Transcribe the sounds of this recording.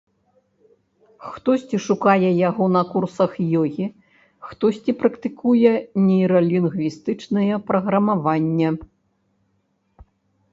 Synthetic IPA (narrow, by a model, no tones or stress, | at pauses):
xt̪ɔsʲt͡sʲiʂukajɛjaɣɔnɐkursɐxjɔɣʲi | xt̪ɔsʲt͡sʲipɾɐkt̪ɨkujɛnʲɛjɾɐlʲinɣvʲist̪ɨt͡ʂnɐjɛpɾɐɣɾɐmavanʲːɐ